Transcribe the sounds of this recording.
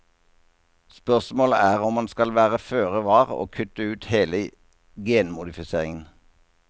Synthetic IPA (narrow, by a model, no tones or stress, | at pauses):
spœʁsmoːləæːʁɔmːɑnskɑlʋæːʁəføːʁəʋɑːʁo̰ːkʰʉt̪əʉːt̪heːlə | ɡeːnmʊd̪ɪfɪseːʁɪŋən